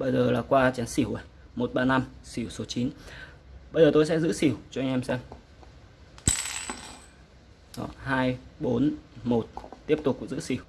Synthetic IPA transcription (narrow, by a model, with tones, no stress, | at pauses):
ɓə˧jzəː˨˩laː˨˩kwaː˧t͡ɕa˨˦nsi˧˩əwʔə˨˩jmo˨˩t̚ɓaː˧na˧msi˧˩wso˨˦t͡ɕi˨˦n | ɓə˧jzəː˨˩t̪o˧jsɛ̰˧˥zɨ̰˧˥si˧˩əwt͡ɕɔ˧a˧jŋ̟ʔɛ˧msɛ˧ŋ | ɗɔ̰˨˦ɦaː˧jɓo˨˦nmo˨˩t̚t̪i˦˥əp̚t̪ʊ˨˩k͡p̚kːŋzɨ̰˧˥si˧˩əw